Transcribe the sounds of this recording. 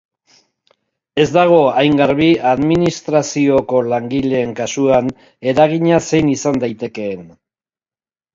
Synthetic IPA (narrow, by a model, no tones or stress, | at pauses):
e̞zd̪aɣ̞o̞ajŋɡaɾβiaðminist̪ɾasio̞ko̞laŋɡile̞ːŋkasuan | e̞ɾaɣ̞iɲase̞jnisand̪ajt̪e̞ke̞ːn